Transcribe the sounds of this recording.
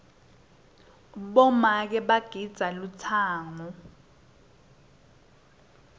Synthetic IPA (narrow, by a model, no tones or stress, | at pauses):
ɓɔmak̬ɛɓaɡ̥ʱid̥z̥ʱalut͡sʰaːŋɔ